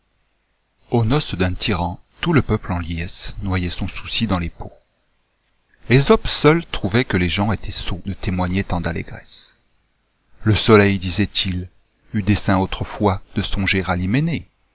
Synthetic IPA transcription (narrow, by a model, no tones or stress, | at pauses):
onɔsd̪ɛ̃t̪ʰiʁɑ̃t̪uləpœplɑ̃ljɛsnwajɛsɔ̃su̥sid̪ɑ̃lepo | lezɔpsœlt̪χuvɛkəleʒɑ̃et̪ʰɛsod̪ət̪emwaɲɛt̪ɑ̃d̪alḛɡʁɛ̰s | ləsɔlɛjd̪izɛt̪ʰil | yd̪esɛ̃ot̪χəfwad̪̥əsɔ̃ʒeʁalimene